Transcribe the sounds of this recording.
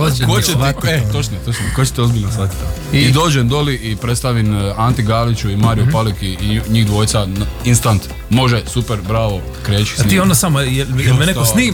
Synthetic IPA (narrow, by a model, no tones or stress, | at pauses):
okot͡ʃet̪et̪ot͡ʃnet̪ot͡ʃnekot͡ʃet̪eo̞zbilnasat̪ʲt̪a | id̪o̞ːd͡ʒend̪oliʔipɾet̪st̪aʋinant̪iɡaːlit͡ʃuimaːɾijupalikiɲiːɣd̪ʋo̞ːjt̪sainst̪ant̪ | mo̞ʒesupeɾbɾaːʋo̞ | kɾeːt͡ʃi̥st̪iond̪asamojeljemeneosniː